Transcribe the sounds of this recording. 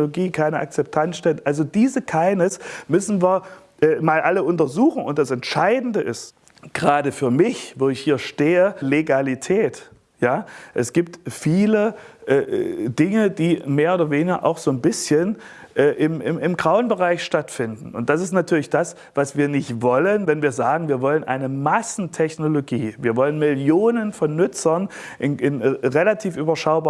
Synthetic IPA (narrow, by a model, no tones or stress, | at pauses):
loɡiːkʰaɪnəʔa̰k̚t͡sɛp̚tʰansʃtɛltʔalzodiːzəkʰaɪnəsmʏsn̩viːɐ | ʔɛːmaːlʔaləʊntɐzuːxŋ̩ʊ̰nt̚d̥asɛntʃaɪdn̩dəʔɪst | ɡ̥əʁaːdəfyːɐmɪçvoːɪçhiːɐʃteːəleɡalitʰɛːt | jaːʔɛsɡ̥iːp̚tfiːləʔɛːdɪŋəd̥iːmeːɐoːdɐveːnɪɡɐ̰ʔa̰ʊxz̥oːnbɪsçən | ʔɛːʔɪmɪmɪmɡʁaʊənbəʁaɪçʃtatfɪndn̩ʊnt̚d̥as̬ɪstnatʰyːɐlɪçd̥as | v̥asv̥iːɐnɪçtv̥ɔlənvɛnviːɐzaːɡŋ̩viːɐvɔlənʔaɪnəmasn̩tʰɛçnoloɡiːviːɐvɔlənmɪljoːnənfɔnːʏt͡sɐn | ʔɪnɪnʁelatʰiːfʔyːbɐʃaʊbaː